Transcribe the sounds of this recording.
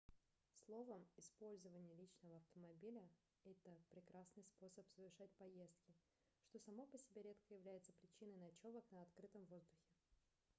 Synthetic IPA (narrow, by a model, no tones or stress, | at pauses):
slˠo̞vəmɪspo̞lʲzəvənʲɪjəlʲit͡ɕnəvəɐft̪əmɐbʲilʲə | ɛt̪əpɾʲɪkɾasnɨjspo̞səpsəvʲɪrʂat̚ʲpɐje̞st̪kʲɪ | ʂt̪o̞sɐmo̞pəsʲɪbʲeɾʲe̞t̪kəjɪvlʲæjɪt̪sə̥pɾʲɪt͡ɕinəjnɐt͡ɕo̞vəknəɐt̪kɾɨt̪əmvo̞zd̪ʊxʲɪ